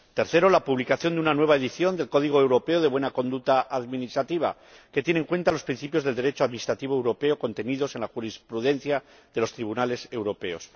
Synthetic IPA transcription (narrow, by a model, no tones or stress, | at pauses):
t̪e̞ɾθe̞ɾolapuβlikaθjo̞nd̪unanwe̞βaeðiθjo̞nd̪e̞lko̞ð̞iɣ̞oewɾo̞pe̞oðeβwenako̞nd̪ut̪aʔaðminist̪ɾat̪iβ̞a̰ | ke̞t̪je̞neŋkwe̞nt̪alo̞spɾin̟θipjo̞zðeld̪e̞ɾet͡ʃoaðminist̪ɾat̪iβ̞oewɾo̞pe̞oko̞nt̪e̞niðo̞se̞nlaxuɾispɾuðe̞nθja | ðe̞lo̞st̪ɾiβ̞unale̞se̞wɾo̞pe̞o̞s